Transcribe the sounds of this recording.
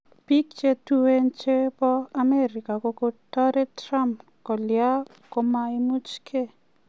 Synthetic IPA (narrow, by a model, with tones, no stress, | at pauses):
pi˦kt͡ʃe˦tue˦nt͡ʃe˦pɔ˦a˦me˦ɾi˨ka˨ko˧ko˦tɔ˦ɾe˦tɾa˦mp | kɔ˨lja˦ | ko˦ma˦i˦mu˦t͡ʃkʰe˦